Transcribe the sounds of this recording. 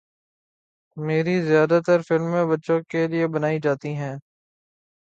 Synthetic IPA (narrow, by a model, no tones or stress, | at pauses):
meːɾizɪjaːd̪at̪əɾfɪlmːẽbɐtːʃõkeliebənaːid͡ʒaːt̪iɦɛ̃ː